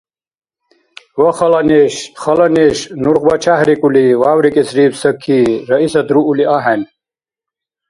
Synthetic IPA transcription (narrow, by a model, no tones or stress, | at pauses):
wɐxɐlɐneɕχɐlɐneɕnuɾqbɐt͡ɕʰahɾikuliwaːwɾikesɾiːbsɐkʰːiɾɐisɐd̪ɾuːliaɦen